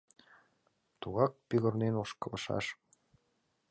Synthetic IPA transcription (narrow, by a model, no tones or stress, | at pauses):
t̪uɣɑk̚piɣɤ̆rnenoʃkɤ̆lˠɤ̆ʃɑ̰ʃ